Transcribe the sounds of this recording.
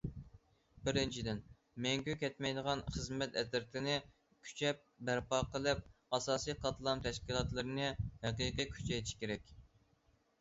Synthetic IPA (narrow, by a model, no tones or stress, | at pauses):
bɪɾɪnt͡ʃʰid̪ɪn | mɛŋkʲykʲɛt̪mɛjd̪əʁɑnχəzmɛt̪ɛt̪ɪɾt̪ʰɪnɪ | kʲʰy̥t͡ʃʰɛp̚bæɾpɑqəlˠɨp̚ɑsɑːsijqʰɑt̪lˠɑmt̪ʰɛʃkʲilˠɑt̪lˠɨɾɨnɨhɛqiqijkʲʰy̥t͡ʃʰɛjt̪ʰɪ̥ʃkʲeɾɛkʲ